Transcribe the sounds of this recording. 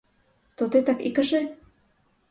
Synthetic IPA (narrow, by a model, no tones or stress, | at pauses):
t̪ot̪et̪ɑkḭkəʃe